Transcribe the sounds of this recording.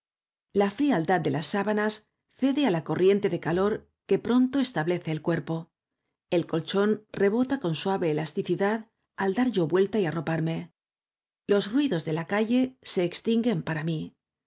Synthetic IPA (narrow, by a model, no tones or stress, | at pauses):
lafɾiald̪ad̪̚d̪e̞lasːaβanas | θe̞ðe̞alako̞rje̞nt̪e̞ðe̞kalo̞ɾ | ke̞pɾo̞nt̪o̞e̞st̪aβle̞θe̞ːlkwe̞ɾpo̞ | e̞lko̞lt͡ʃo̞nre̞βo̞t̪ako̞nswaβe̞ːlast̪iθiðað | ald̪aɾʝo̞βwe̞lt̪aiaro̞paɾme̞ | lo̞zrwiðo̞zðe̞lakaʝe̞se̞ːkst̪iŋɡe̞mpaɾami